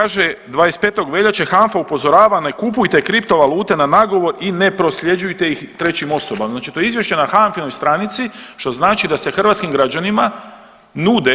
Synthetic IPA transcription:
kaːʒed̪ʋaːjest̪pe̞ːt̪o̞ɡʋe̞ʎat͡ʃexaɱfaupo̞zo̞ɾaːʋane̞kupujt̪e̞kɾipt̪o̞ʋaluːt̪e̞nanaɡo̞ʋo̞ɾine̞pɾo̞slʲjed͡ʒujt̪ejixt̪ɾe̞t͡ɕimo̞so̞bamznaːt͡ʃi̥t̪o̞jeizʋje̞ʃt͡ɕe̞naxanfinojst̪ɾanit̪siʃt̪o̞znaːt͡ʃid̪ase̞xr̩ʋat̪skimɡɾad͡ʑanima | nuːd̪e

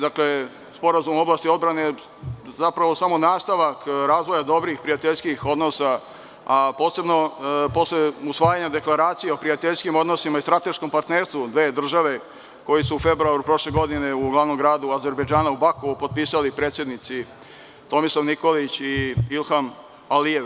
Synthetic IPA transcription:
d̪akle̞ | spo̞ɾazumo̞blˠaːst̪io̞d̪bɾane | zapɾaʋo̞samo̞naːst̪aʋakɾaːzʋo̞jad̪o̞bɾixpɾiat̪eʎʲskixo̞d̪no̞sa | apo̞ːse̞bno̞po̞sleusʋaːjaɲad̪e̞klˠaɾaːt̪sijeopɾiat̪eʎʲskimo̞d̪nosimaist̪ɾat̪e̞ʃko̞mpaɾt̪neːɾst̪ʋud̪ʋe̞ːd̪r̩ʒaʋe̞ | ko̞jisuːfe̞bɾuaɾupɾo̞ʃleɡo̞d̪ine̞uɡlaʋno̞mɡɾaːd̪uaze̞ɾbejd͡ʒaːnaubakoʋupo̞d̪t̪̚piːsalipɾet̪sje̞d̪nit̪si | t̪o̞misaʋniko̞lit͡ɕiilˠxam | alijeʋ

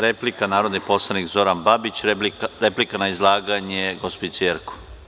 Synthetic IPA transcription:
ɾeplikanaːɾo̞d̪nipo̞slˠanikzo̞ɾanbabit͡ɕɾeplikanaizlˠaːɡaɲeɡospisieɾku̥

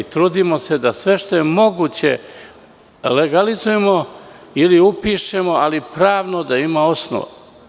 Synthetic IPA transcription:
t̪ɾuːd̪imo̞se̞d̪asʋe̞ʃt̪o̞je̞mo̞ɡut͡ɕe̞̰ | leɡalizuje̞mo | iliupiːʃe̞mo̞alipɾaːʋno̞d̪aimao̞sno̰ʋa̰

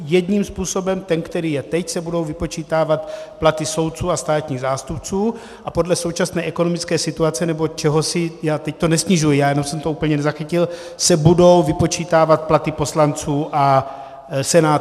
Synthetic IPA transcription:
jɛd̪ɲiːmspuːso̞bɛmt̪ɛnkt̪ɛɾiːjɛt̪ɛcsɛbudo̞wvɪpo̞t͡ʃiːt̪aːvat̪plat̪ɪso̞wt̪̚t͡suːast̪aːt̪ɲiːɣzaːst̪upt͡suː | ʔapo̞dlɛso̞wt͡ʃasnɛːʔɛkonomɪt͡skɛːsɪt̪uat͡sɛnɛbo̞t͡ʃɛɦosɪjaːt̪ɛct̪onɛsɲɪʒujijaːjɛno̞msɛmt̪ouːpl̩ɲɛnɛzaxicɪl | sɛbudo̞wvɪpo̞t͡ʃiːt̪aːvat̪̚plat̪ɪpo̞slant͡suːʔa | sɛnaː

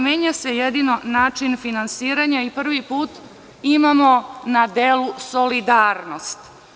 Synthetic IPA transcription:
meːɲasejed̪ino̞naːt͡ʃinfinansiːɾaɲaipr̩ʋipuːt̪ | imamo̞nad̪eːlusolid̪aːɾnost̪

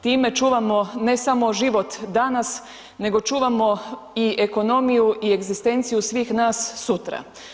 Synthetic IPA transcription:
t̪iːme̞t͡ʃuːʋamo̞ne̞samo̞ʒiʋo̞t̪d̪anas | ne̞ɡo̞t͡ʃuːʋamo̞ | ieko̞no̞mijuʔie̞ɡzist̪e̞nt̪sijusʋiːxnaːsːut̪ɾa̰

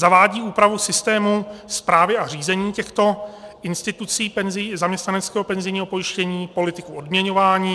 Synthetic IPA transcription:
zavaːɟiːuːpɾavusɪst̪ɛːmuspɾaːvɪʔar̝iːzɛɲiːcɛxt̪o̞ʔɪnst̪ɪt̪ut͡siːpɛnzɪzamɲɛst̪nanɛt͡skɛːɦo̞pɛnzɪjɲːɦo̞po̞jɪʃcɛɲiːpo̞lɪt̪ɪkuʔodmɲɛɲo̞vaːɲiː

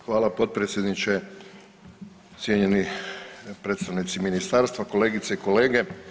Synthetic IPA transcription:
xʋaːlˠapo̞t̪̚pɾet̪sjed̪nit͡ʃe | t̪sʲjeɲeni | pɾet̪t̪aʋnit̪siminist̪aɾst̪ʋako̞le̞ːɡit̪seiko̞le̞ːɡe̞

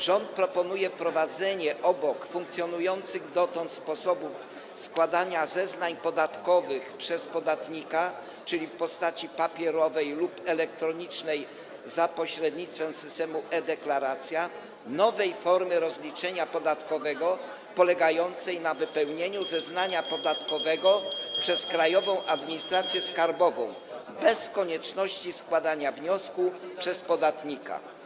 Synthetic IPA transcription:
ʐɔnt̪̚pɾɔpɔnujɛpɾɔvad̪zɛɲɛʔɔbɔkfũŋk̚t̪sʲjɔnujɔnt̪sɘɣd̪ɔt̪ɔ̃nt̪spɔsɔbuf | skwad̪aɲazɛznaɲpɔd̪at̪kɔvɘxpʂɛspɔd̪at̪ɲika | t͡ʂɘlʲifpɔst̪at͡ɕipapʲjɛɾɔvɛjlupɛlɛkt̪ɾɔɲit͡ʂnɛj | zapɔɕɾɛd̪̚ɲit̪t̪fɛmsɘst̪ɛmuʔɛd̪ɛklaɾat̪sʲja | nɔvɛjfɔɾmɘɾɔzlʲit͡ʂɛɲapɔd̪at̪kɔvɛɡɔ | pɔlɛɡajɔnt̪sɛjnavɘpɛwɲeɲuzɛznaɲapɔd̪at̪kɔvɛɡɔpʂɛskɾajɔvɔ̃w̃ʔad̪̚mʲiɲist̪ɾat̪sʲjɛskaɾbɔvɔ̃w̃ | bɛskɔɲɛt͡ʂnɔɕt͡ɕiskwad̪aɲavɲɔskupʂɛspɔd̪at̪ɲika̰

